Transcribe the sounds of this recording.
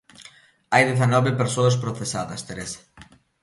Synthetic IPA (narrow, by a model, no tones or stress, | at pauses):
ajðeθanɔβɪpeɾsoɐs̬pɾoθesaðɐst̪eɾesɐ̥